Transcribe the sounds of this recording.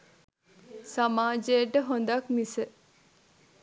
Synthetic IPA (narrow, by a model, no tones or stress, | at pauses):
samaːd͡ʒejəʈəɦond̪akmisə